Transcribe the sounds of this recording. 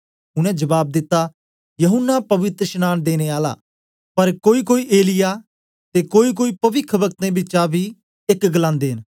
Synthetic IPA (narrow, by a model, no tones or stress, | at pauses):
ʊɽ̃ɛ̃d͡ʒɐbaːb̚d̪ɪt̪ːa | jɐɦʊnːapɐʋɪt̪ɾəʃnaːnd̪eːñeaːla̰ː | pɐɾkoːikoːiʔeːlɪja | t̪eːkoːik̬oːipɐʋɪkʰʋɐk̚t̪ẽbɪːʃabʱi | ɪkɡəlãːnd̪eːn